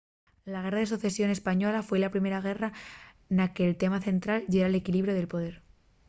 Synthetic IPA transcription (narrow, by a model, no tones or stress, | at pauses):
laɣ̞e̞raðe̞suθe̞sjo̞ne̞spaɲo̞lafwe̞lapɾime̞ɾaɣ̞e̞ra | nake̞ːlt̪e̞maθe̞nt̪ɾalʝeɾale̞kiliβɾjoðe̞lpo̞ðe̞ɾ